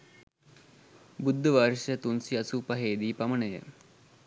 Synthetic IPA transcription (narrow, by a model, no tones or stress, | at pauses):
bud̪ʱːəʋaɾʂjət̪unsiɐsupɐɦeːd̪iːpɐmɐnəjə̰